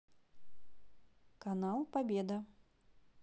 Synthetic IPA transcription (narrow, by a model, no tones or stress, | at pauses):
kanalˠpabʲɛd̪ɐ